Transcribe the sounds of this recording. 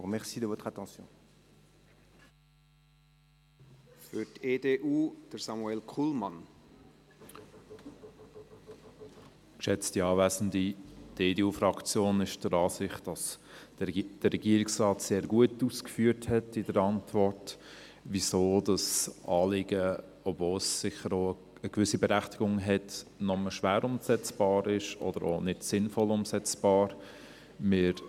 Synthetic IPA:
ʁmɛʁsiːd̪əvot̪χat̪ɑ̃sjɔ̰̃ | fyɾteːdeʔuːd̥əɾsamuɛlkʰulmɑn | kʃɛt͡stiɑːvæzən̩did̥eːdeːuːfrɑkt͡sjoːnɪʃd̥əɾɑːsɪχtd̥ɑs | d̥əːɛɡ̥iəɾɪksrɑːtseːɾɡuətuːskfyːəthɛtɪdəɾɑntvɔɾt | visoːdɑsɑːlɪɡ̥ə | ɔbvoːlsːɪχəɾoː | əkvʏsibɛɾæχtiɡ̥ʊŋɦɛtnɔməʃʋæːɾʊmsɛt͡sb̥ɑːɾɪʃɔ̰d̥əɾo̰nɪdsɪnfɔlʊmsɛt͡sb̥ɑːɾ | mɪɾ

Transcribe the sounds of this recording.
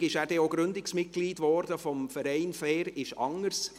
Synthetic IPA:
ɪʃæːɾd̥ɛoːɡɾʏndɪksmɪt̚ɡ̥liːdvɔɾd̥əfɔmfəɾɛɪnfɛːɾɪʃɑ̰ŋəɾs

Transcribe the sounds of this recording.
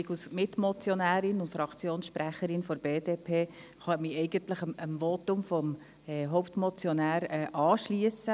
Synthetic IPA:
ɪɡusmɪt̪mɔt͡sjɔnæːɾɪnʊntfɾɑkt͡sjoːnsʃpɾæχəɾɪnfɔɾb̥eːd̥̪eːpʰeː | χɑmiɛɪɡənt̪ləχəəmʋot̪ʊmfɔm | ɛɦowpt̪mɔt͡sjɔnæːɾɛːʔɑːʃliəsə

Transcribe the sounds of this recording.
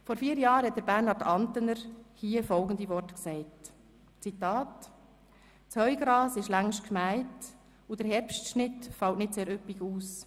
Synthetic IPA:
fɔɾfiːəɾjɑːɾhɛt̚d̥̪əɾb̥æɾnhɑɾtʰɑntənəɾhiːəfɔlɡən̩diʋɔrtksɛɪt | t͡sitɑːt | t͡shœʏɡ̥ɾɑːsɪʃlæŋʃtkmæɪt | ud̥əɾɦɛɾpʃtʃnɪtfɑlwtnɪtseːɾøpiɡuːs

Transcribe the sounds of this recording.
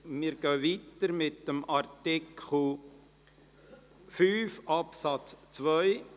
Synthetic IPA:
mɪɾɡ̥œːʋit̪əɾmɪt̪ːəmɑɾtɪkʰχl̩ | fyːfɑpsɑt͡st͡sʋœʏ

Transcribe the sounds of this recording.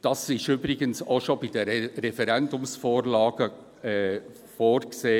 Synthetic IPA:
d̥ɑsɪʃybɾɪɡənsoʃobid̥əɾɛfɛɾɛndʊmsfoːɾlɑːɡ̥ə | ɛ | foːrkseː

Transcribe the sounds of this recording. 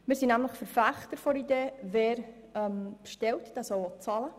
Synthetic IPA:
mɪːɾsinæmləχfəɾfæχt̪əɾfɔɾideːveːɾ | ɛmpʃtɛltd̥æsɔwɔt͡sɑlə

